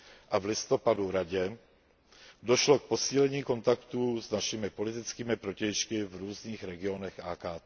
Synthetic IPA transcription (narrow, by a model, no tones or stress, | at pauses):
ʔavlɪst̪opaduɾaɟɛ | do̞ʃlo̞k̚po̞siːlɛɲiːko̞nt̪akt̪uznaʃɪmɪpo̞lɪt̪ɪt͡skiːmɪpɾo̞cɛjʃkɪvɾuːzɲiːxɾɛɡɪo̞nɛxʔaːkaːt̪ː